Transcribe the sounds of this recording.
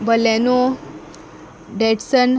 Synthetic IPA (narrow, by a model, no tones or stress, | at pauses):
bəleno | ɖeʈsən